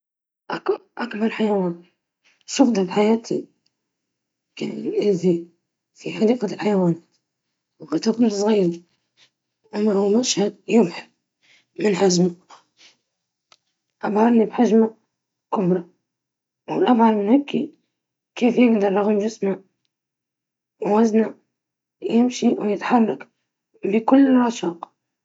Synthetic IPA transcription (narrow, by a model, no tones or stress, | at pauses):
ʔaʔakbɑɾˤħajawaːn | ʃɑfd̪ɑbħajaːt̪ʰḭ | kanʔɪzi | fiħad̪iːqalħajawaːnaːt̪ | wɪbat̪akʊlsˤɣiːɾi | ʔamahumaʃhad̪jʊbħa | mɪnħazma | ʔabhɑɾˤnibħaʒma | kʊbɾˤɑ | wɪlʔabhɑɾˤmɪnhakːi | keːfjɪɡd̪ɑɾˤlaɣʊmʒɪsma | wwazna | jɪmʃiwjɪt̪ħarˤːɑk | bikʊlːɪlʕaʃɑːq